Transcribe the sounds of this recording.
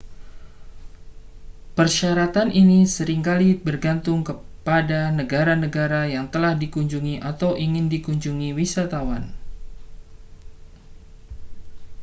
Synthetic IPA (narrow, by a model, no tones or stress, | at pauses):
pərʃaɾat̪aninisəɾɪŋkalibərɡant̪ʊŋkəpadanəɡaɾanəɡaɾajaŋt̪əlahdikuɲd͡ʒuŋiʔat̪awʔiŋɪndikuɲd͡ʒuŋiwisat̪awan